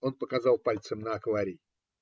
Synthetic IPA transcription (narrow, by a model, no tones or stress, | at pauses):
onpəkazɑlˠpalʲt̪səmnəːkvaɾʲij